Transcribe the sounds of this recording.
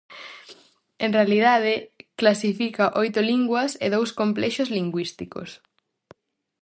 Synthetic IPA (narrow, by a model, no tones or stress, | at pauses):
ẽnrealið̞að̞ɪklasifikaʔojt̪ʊliŋɡwɐsɪ̰ðowskomplɛʃozliŋɡwist̪iko̰s